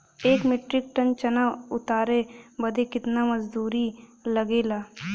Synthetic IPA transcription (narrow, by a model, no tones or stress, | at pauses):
eːkmeːʈɾɪk̚ʈənt͡ʃɐnaʊt̪aːɾebɐd̪ekɪt̪namɐd͡ʒd̪uːɾilɐɡeːlaː